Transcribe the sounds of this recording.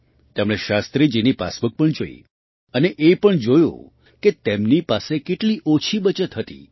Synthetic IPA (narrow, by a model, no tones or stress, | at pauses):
t̪emɽ̃eʃast̪ɾid͡ʒinipa̰smək̚pəɳd͡ʒoḭ | əneʔepəɳd͡ʒojṵ̃ | ket̪emnipasekeʈliʔot͡ʃʰibət͡ʃət̪ɦət̪ḭ